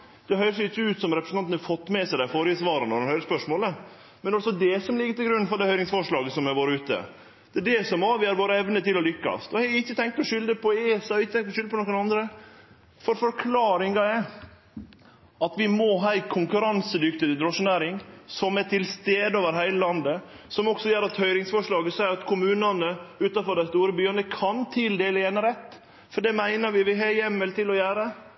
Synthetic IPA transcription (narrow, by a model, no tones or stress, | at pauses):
d̪̥ɛɦœʏɾəʂɛɪçːəʉːt̪sɔmɾɛpɾsɑnnɾfɔt̪ːmɛsæɪd̪æɪfoːɾɪəsʋɑːɾɑnɔɾɛnhœʏɾəspœʂmoːlə | mɛnɑlsɔd̪ɛsɔmlɪɡːət̪ɪlɡɾʉnːfɔɾɖ̪ɛhœʏɾɪŋsfɔʂɭɑːɡəsɔmɛɾʋoːɾəʉːt̪ə̰ | d̪̥ɛːɖɛsɔmɑʋɪhæɾʋoːɾəɛʋnət̪ɪlɔlʏkːɑ̰st̪ɔhɛɪçːət̪ʰɛŋk̚t̪ɔʂʏld̪əpʰɔesɑɪçːət̪ʰɛŋt̪ɔʃʏləpʰɔnɔkənɑnd̪ɾə | fɔɾfɔɾkʰlɑːɾɪŋɑɛ | ɑt̪ʋɪmɔɦɑɪkʰʊŋkʉɾɑnsəd̪ʏkt̪əd̪ɾɔʂənæːɾɪŋsɔmɛʈʰɪlst̪eːd̪əoːʋəɾɦæɪləlɑnd̪ə | sɔmɔksɔjøːɾɑt̪hœʏɾɪŋsfɔʂɭɑːɡəsæɪɾɑt̪kʰʊmʉːnɑnəʉːt̪ɑfɔɖæɪst̪uːɾəbyːənəkʰɑnt̪ʰɪld̪eːləɛːnəɾɛt̪ː | fɔɖɛmæɪnəɾʋɪʋɪɦɛjɛmːɛlt̪ʰɪlɔjæːɾə